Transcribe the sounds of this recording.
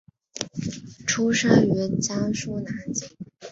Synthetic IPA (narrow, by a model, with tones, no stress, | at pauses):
ʈ͡ʂʰu˥ʂa˥ŋy˧˥t͡ɕjɑ˥ŋʂu˥˧na˧˩˦t͡ɕi˥˩˦